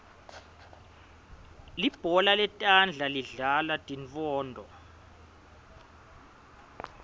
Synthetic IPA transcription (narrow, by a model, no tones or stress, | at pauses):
lib̥ʱɔlalɛtʼand͡ɮʱaliɮalatʼiɱt͡fɔːndʱɔ